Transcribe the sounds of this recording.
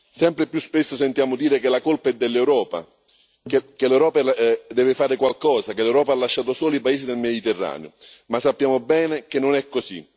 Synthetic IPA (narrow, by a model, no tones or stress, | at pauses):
sɛmpɾɪpjuspesːosent̪jaːmʊd̪iːɾekelakolpaɛd̪ːelːewɾɔːpa̰ | kekelɛwɾɔːpad̪ɛːvɪfaːɾɪkwalkɔːzakelːɛwɾɔːpaalːaʃːaːt̪ʊsoːloipaeːsid̪elmed̪it̪erːa̰ːneo̰ | masːapːjaːmʊbɛːnɪk̟enːʊnɛkːosḭ